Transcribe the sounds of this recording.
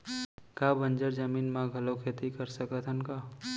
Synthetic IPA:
kabənd͡ʒəɾd͡ʒəmiːnmãɡʱɐlokʰeːt̪ikəɾsəkət̪ʰənka

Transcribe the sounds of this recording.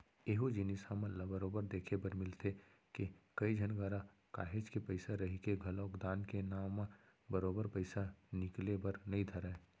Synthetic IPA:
eːɦod͡ʒɪnɪsamə̃labəɾoːbəɾd̪eːkʰebəɾmɪlt̪e | kekɐid͡ʒʱɐnɡaːɾa | ka̰ːɦeːd͡ʒkepəɪsaɾɐɦikeɡʱɐlɔːkd̪aːnkenaːma | bəɾoːbəɾpəɪsanɪklebəɾnɐɦĩt̪ʰɐɾaɛː

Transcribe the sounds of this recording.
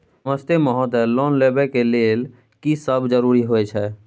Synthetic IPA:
sməst̪emɔɦɔd̪ɛlɔnlebɛkelel | kisəbd͡ʒəɾuɾiɦojt͡ʃʰɛ

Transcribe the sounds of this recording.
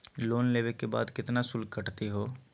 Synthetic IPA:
loːnleːʋekeba̰ːd̪kɪt̪nasʊlkːəʈt̪iɦoː

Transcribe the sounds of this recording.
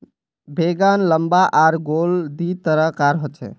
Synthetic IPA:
beɡanləmbaʔaɾɡold̪it̪əɾəkaɾɦot̪t͡ʃʰɛ̰

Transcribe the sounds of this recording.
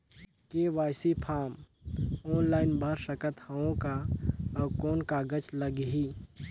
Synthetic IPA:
keːʋaːjsipʰaːm | ɔːnlaːɪnbʱəɾsəkət̪haõkabkoːnkaːɡət͡ʃləɡɦiː

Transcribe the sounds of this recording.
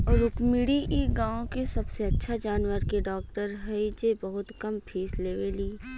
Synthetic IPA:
ɔːɾʊkmiɽiʔiɡãːõkesɐbseɐtːʃʰad͡ʒaːnwəɾkeɖɔːk̚ʈəɾɦɐid͡ʒebɐɦʊt̪kɐmpʰiːsleːʋeliː

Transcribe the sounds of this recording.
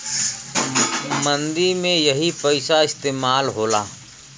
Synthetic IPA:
mə̃nd̪imẽjɐɦipɐɪʃaɪst̪eːmaːlɦoːlaː

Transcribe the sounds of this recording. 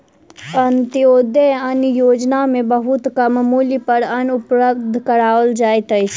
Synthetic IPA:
ənt̪iod̪eənjod͡ʒnamebəɦut̪kəmmulipəɾənupɾəbd̪ʱkəɾaʋəld͡ʒajt̪əjt͡ʃʰ

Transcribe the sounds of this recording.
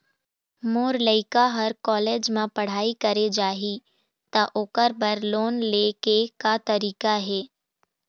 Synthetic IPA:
moːɾləɪkaɦɐɾkɔːleːd͡ʒmãpɐɽ̤aːikɐɾed͡ʒaːɦi | t̪aʔʊkəɾbɐɾloːnleːkekat̪ɐɾiːkaɦɛː

